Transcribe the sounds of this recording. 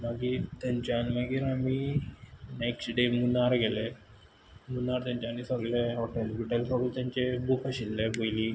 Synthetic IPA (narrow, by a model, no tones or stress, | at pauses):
maɡit̪jaɲt͡ɕanmaɡiːɾami | neksʈɖemunːaɾɡɛle | munːaɾt̪jãɲt͡ɕanisəɡleɦoʈelʋiʈelsəɡlt̪jaɲt͡ɕebukəɕilːebojli